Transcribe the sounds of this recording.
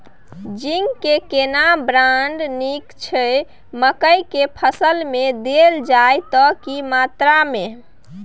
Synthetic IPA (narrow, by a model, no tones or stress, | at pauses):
d͡ʒiŋɡkekenabɾaɳɖnikt͡ʃʰə | məkəjkepʰəsəlmed̪eld͡ʒajt̪ɔkimat̪ɾame